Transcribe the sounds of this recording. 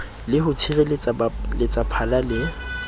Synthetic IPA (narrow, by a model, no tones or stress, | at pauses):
lɪɦʊtʰɪrɪllɪt͡sʼapʰalalɪ